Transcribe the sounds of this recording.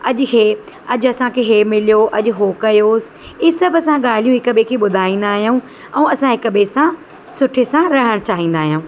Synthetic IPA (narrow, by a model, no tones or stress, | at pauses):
ɐʄʊkʰeː | ɐʄɐsãkʰeːɦemɪlijoʔɐʄʊ̆ɦokɐjoːsɪ̥ | iːsɐbɐsãɠaːl̤ijũɦɪkəɓekʰeːɓʊd̪ʱaːĩːn̆d̪aːɦijaũː | ɛ̃ũɐsãɦɪkəɓesã | sʊʈʰesãɾɐɦəɽ̃t͡ɕaːɦĩːnd̪aːɦijaũː